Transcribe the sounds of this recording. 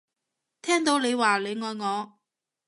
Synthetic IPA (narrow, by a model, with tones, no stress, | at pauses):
t̪ʰɛː˥ŋt̪o˨˥wle˨˧jwaː˨le˨˧jŋɔː˨jŋɔː˨˧